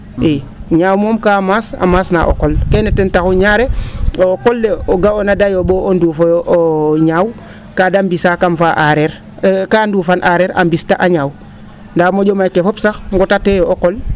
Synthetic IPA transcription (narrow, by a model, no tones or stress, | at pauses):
e | ɲawmoːmkamaːsa̰masna̰ʔo̰kolkenetentaxuɲaːɾeokolːeoɡaonadajoboonduːfojoʔoɲaːw | kadambisakamfaʔaɾeɾ | kandufanʔaɾeɾa̰mbistaʔaɲaw | ndamoɟomajkefopsaxŋɡotatejooqol